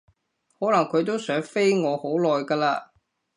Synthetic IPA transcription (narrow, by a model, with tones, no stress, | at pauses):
hɔː˨˥lɐ˨˩ŋkʰɵ˨˧ɥt̪̬o˥wsœː˨˥ŋfe˥jŋɔː˨˧ho˨˥wlɔː˨jkaː˧laː˧